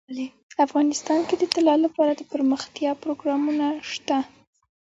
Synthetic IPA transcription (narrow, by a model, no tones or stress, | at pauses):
afɣɑnɪst̪ɑnked̪ət̪ɪlɑlːapɑɾad̪əpəɾməxt̪jɑpɾoɡɾɑmunaʃt̪a